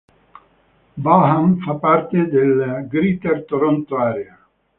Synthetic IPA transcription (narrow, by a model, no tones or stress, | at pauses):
baɦamfapːart̪ed̪elɡɾit̪ert̪oɾɔnt̪oaːɾea